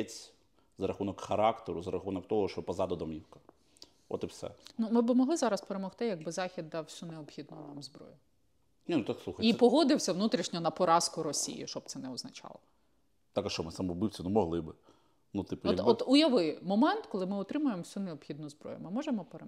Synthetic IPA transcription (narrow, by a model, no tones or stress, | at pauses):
t͡sʲ | zɐɾɐxunɔkxɐɾɑkt̪eɾʊzɐɾɐxunɔkt̪ɔɦɔʃt͡ʃɔpɐzɑd̪ɔd̪ɔmʲiwkɐ̥ | ɔ̰t̪ɪfsɛ̰numɪbɪmɔɦlˠɪzɑɾɐspeɾemɔxt̪ɪjɐɡ̚bɪzɑxʲid̪ːɑwsʲuneɔpxʲid̪nɔnɑmzbɾɔ̰jʊ | nʲinut̪akslˠuxɐipɔɦɔd̪ɪwsʲɐʋnut̪ɾʲiʃɲʲɔnɐpɔɾɑskʊɾɔsʲḭjḭʃt͡ʃɔb̚t̪ɛnɛɔznɐt͡ʃɑ̰lˠɔ | t̪ɑkɐʃt͡ʃɔmɪsɐmɔbɨwt͡sʲɐnumɔɦlˠɪbɪ | nut̪ɪpʊɔt̪ɔt̪ʊjɐʋɪjmɔmɛnt̪kɔlˠɪmɪɔt̪ɾɪmʊjemɔwsʲuneɔpxʲid̪nʊzbɾɔ̰jʊ̰mɪmɔʒemɔpeɾe